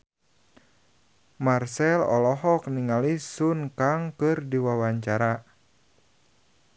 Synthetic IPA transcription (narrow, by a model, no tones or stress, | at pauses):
marsɛlɔ̰lɔɦɔk̚niŋalisunkaŋkɨrdiwawaɲt͡ʃaɾa